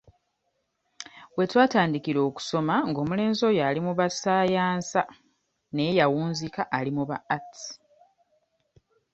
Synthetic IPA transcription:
we̞twaːtaːndikiɾo̞ːku̥so̞maŋɡo̞ːmule̞ːnzo̞jalimuβasaːjaːnsa | nejawuːnzikaʔːlimuβaːti̥

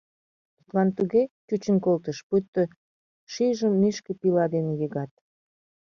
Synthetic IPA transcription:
t̪u̥t̪lɑnt̪uɣet͡ɕut͡ɕə̆nkolt̪əʃpyt̪ːə̆ | ʃiʒəmːiʃkĕpilɑd̪enejeɣɑt̪̚

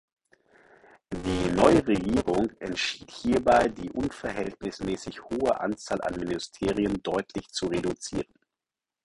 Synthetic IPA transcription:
d̥iːnɔʏəʁeɡiːʁʊŋʔɛntʃiːthiːɐbaɪdiːʔʊnfɛɐɦɛltnɪsmɛːsɪçhoːəʔa̰nt͡saːlʔa̰nmɪnɪstʰeːʁiəndɔʏtʰlɪçt͡suʁedut͡sḭːʁən

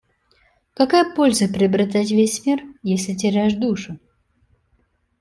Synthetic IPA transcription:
kɐkajəpolʲzəpɾʲɪɐbɾɪt̪̬atʲvʲesʲmʲirjesʲlʲɪt̬ʲɪɾʲajʂd̪uʂʊ

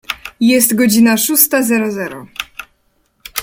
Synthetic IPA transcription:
jɛst̪ɡɔd͡ʑinaʂust̪azɛɾɔzɛɾɔ̰

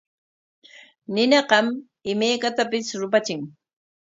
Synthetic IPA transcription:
nɪnɑqɑm | ɪmajkat̪apɪsɾʊp̬at͡ʃɪŋ

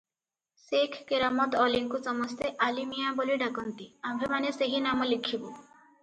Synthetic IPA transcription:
sekʰːeɾamɔt̪ɔliŋkusɔmɔst̪eʔalimijaboliɖakɔnt̪iambʱemaneseɦinamɔlikʰibu

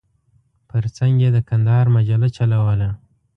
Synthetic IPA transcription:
pəɾt͡saŋɡjed̪əkand̪ɑɾmad͡ʒalat͡ʃalawəla

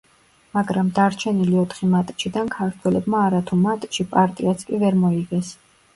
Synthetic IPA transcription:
maɡɾamd̪aɾt͡ʃʰɛniliɔt̪ʰχimat̪ʼʃid̪ankʰaɾt̪ʰwɛlɛbmaːɾat̪ʰumat̪ʼʃipʼaɾt̪ʼiat̪sʰkʼivɛɾmɔiɡɛs

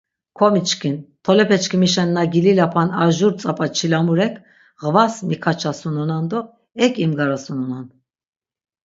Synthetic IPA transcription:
kʰɔmit͡ʃkʰint̪ʰɔlɛpʰɛt͡ʃkʰimiʃɛnːaɡililapʰanaʒuɾt͡sʼapʼat͡ʃʰilamuɾɛkʰ | ʁəvasmikʰat͡ʃʰasunɔnand̪ɔ | ɛkʼimɡaɾasunɔnan

